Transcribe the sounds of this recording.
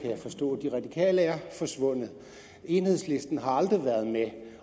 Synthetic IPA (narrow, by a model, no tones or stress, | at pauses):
kʰæjɑ̈ɪfɒ̽sd̥ɔ̰̽ːd̥iʁɑ̈d̥ikʰɛ̰ːləæɐfɒ̽sʋɔ̽n̰ð̩ˠ | e̝nhe̝ðˠsle̝sd̥n̩ɦɑ̈ɑ̈ld̥ʁiʋæɐð̞ˠme